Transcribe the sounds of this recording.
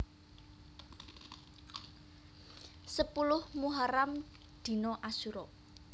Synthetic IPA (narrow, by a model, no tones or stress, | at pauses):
səpulʊhmuɦaɾam | d̪̥i̤nɔʔasuɾɔ